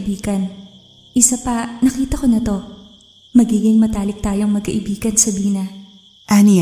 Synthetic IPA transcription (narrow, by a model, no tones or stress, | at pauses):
biːɡɐn | ʔɪsapɐnɐkiːt̪ɐko̞nɐt̪o̞ | mɐɡiːɡɪŋmɐt̪aːlɪk̚t̪aːjoŋmɐɡ̚kɐʔɪbiːɡɐnsɐbiːnɐ | ʔani